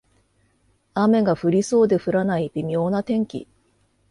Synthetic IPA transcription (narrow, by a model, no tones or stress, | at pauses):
ame̞ɡaɸɯ̟ɾʲiso̞ːd̪e̞ɸɯ̟ɾanaibʲimʲjo̞ːnat̪ẽ̞ŋkʲḭ